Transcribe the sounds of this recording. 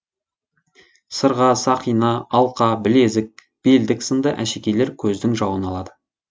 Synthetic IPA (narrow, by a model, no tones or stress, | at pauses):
səɾʁɑsɑqijnɑɑlˠqɑbɪle̞zɪk̚ | b̥e̞ld̪ɪksənd̪ɑʔæʃekʲe̞le̞ɾkʲʰɵzd̪ɪŋʒɑwənɑlˠɑd̪ə